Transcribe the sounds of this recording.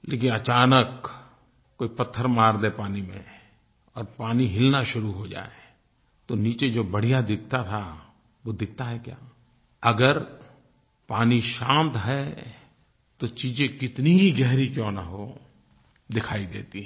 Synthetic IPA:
leːk̬ɪnɐt͡ʃaːnək | koːipɐt̪ʰːəɾmaːɾd̪eːpaːnimḛ̃ | ɔːɾpaːniɦɪlnaʃʊɾuɦod͡ʒa̰ːe | t̪oniːt͡ʃed͡ʒoːbɐɽ̤ijad̪ɪk̚ʰt̪at̪ʰa | ʋod̪ɪk̚ʰt̪aɦɛkja̰ː | ɐɡəɾ | paːniʃãːnt̪ɦɛ | t̪ot͡ʃiːd͡ʒẽkɪt̪niɦiɡɛɦɾikjɔ̃ːnɐɦo | d̪ɪkʰaːid̪ḛːt̪i

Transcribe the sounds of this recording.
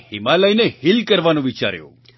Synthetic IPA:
himaləjnehilkəɾʋanõʋit͡ʃa̰ɾjõ̰

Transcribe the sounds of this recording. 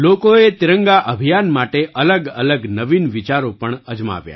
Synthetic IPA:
lokoet̪iɾəŋɡaʔəbʱijanmaʈeʔələɡələɡnəʋinʋit͡ʃaɾopəɳəd͡ʒma̰ʋja̰

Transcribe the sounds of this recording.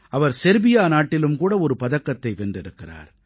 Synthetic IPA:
ʔɐʋɐɾsɛɾbɪjaːnaːʈːɪlɯmkuːɽɐɔɾɯpɐðɐkːɐt̪ːɐɪʋɛndɪɾɯkːɪra̰ːɾ

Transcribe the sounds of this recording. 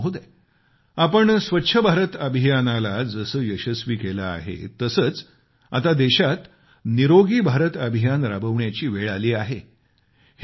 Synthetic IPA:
ɦud̪e | apəɳsʋətːɕʰəbʱaɾət̪əbʱijanalad͡zəsəːjəɕəsʋiːkeləa̰ɦḛt̪əsəːt͡s | a̰t̪ad̪eɕat̪ | niɾoɡiːbʱaɾət̪əbʱijanɾabəʋɳjat͡ɕiːʋeɭaliːaɦe | h

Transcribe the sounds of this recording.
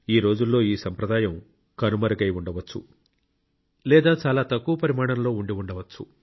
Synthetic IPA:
iːɾo̞ːd͡ʒulːo̞ːiːsɐmpɾɐd̪aːjɐm | kɐnumɐɾɐɡɐjuɳɖɐʋɐt͡ʃːṵ | lɛːd̪aːt͡ʃaːlaːt̪ɐkːuʋɐpɐɾimaːɳɐmlo̞ːuɳɖiuɳɖɐʋɐt͡ʃːṵ

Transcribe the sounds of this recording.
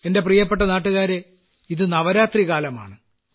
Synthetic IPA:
e̞nde̞prijɐp̬ːe̞ʈ̬ːɐnaːʈːuɣaːɾe̞ | iðɨnɐʋɐɾaːt̪riɣaːlɐma̰ːɳɨ

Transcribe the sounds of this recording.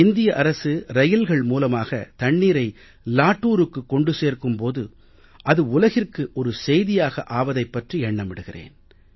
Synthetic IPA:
ɪnd̪ɪjɐʔɐɾɐsɯɾɐjɪlɣɐɭmuːlɐmaːɣɐ̰t̪ɐɳːiːɾɐɪ | laːʈːuːɾɯkːɯkːɔɳɖɯseːrkɯmpoːðɯ | ʔɐðɯʊlɐɣɪrkɯʔɔɾɯsɛjðɪjaːɣɐ̰ʔaːʋɐðɐɪpːɐʈriɛɳːɐmɪɽɯɣɪrḛːn

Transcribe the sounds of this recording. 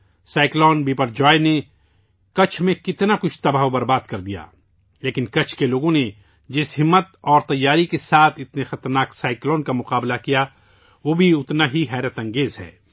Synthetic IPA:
saːɪklɔːnbiːpəɾd͡ʒɔːene | kɐt͡ʃʰmẽkɪt̪nakʊt͡ʃʰt̪ɐbaːobɐɾbaːd̪̚kɐɾd̪ija̰ː | leːkɪnkɐt͡ʃʰkeloːɡõne | d͡ʒɪsɦɪmːət̪̚ɔːɾt̪ɐjːaːɾikesaːt̪ʰɪt̪nexɐt̪əɾnaːksaːɪklɔːnkamʊqaːblakija | ʋoːbʱiʊt̪naɦiɦɛːɾət̪ɐ̃ŋɡeːzɦɛ̰ː

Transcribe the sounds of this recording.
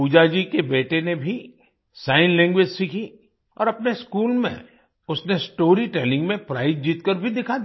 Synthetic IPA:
puːd͡ʒad͡ʒikebeːʈenebʱi | saːɪnlɛ̃ːŋɡʋed͡ʒsikʰi | ɔ̰ːɾɐpneskuːlmḛ̃ | ʊsnesʈoːɾiʈɛːlɪ̃ŋɡmẽpɾa̰ːɪd̪̚d͡ʒiːt̪kəɾbʱid̪ɪkʰad̪

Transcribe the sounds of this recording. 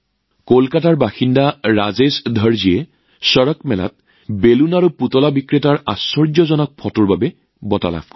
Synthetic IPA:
kolkataɹbaxindaɹazesdʱɔɹzijɛ | sɔɹɔkmɛla̰t̚ | belunaɹuputɔlabikɹetaɹa̰sɔɹd͡ʒɔzɔnɔk̚pʰɔtuɹbabɛ | bɔta̰la̰f

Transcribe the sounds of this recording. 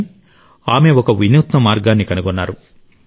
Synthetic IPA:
aːme̞ɔkɐʋinjuːt̪nɐmaːɾɡaːnːikɐnuɡɔnːaːɾu

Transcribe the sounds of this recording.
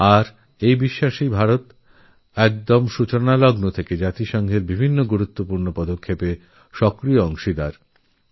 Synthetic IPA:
aɾ | ejbiʃːaʃibʱaɾot̪ | ɛk̚d̪omʃut͡ɕonalɔɡnot̪ʰeked͡ʑat̪iʃɔŋɡʱeɾbibʱinːoɡuɾut̪ːopuɾnopɔd̪okʰːepe | ʃɔkɾijoɔŋʃid̪aɾ

